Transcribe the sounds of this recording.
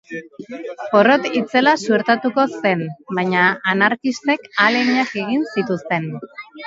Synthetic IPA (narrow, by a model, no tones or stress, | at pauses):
po̞ro̞t̪it͡se̞lasueɾt̪at̪uko̞se̞nbajɲaːnaɾkist̪e̞kaleɲake̞ɣinsit̪ust̪e̞n